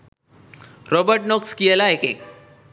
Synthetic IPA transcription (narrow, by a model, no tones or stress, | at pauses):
ɾɔbəɾʈ̚nokskielaekek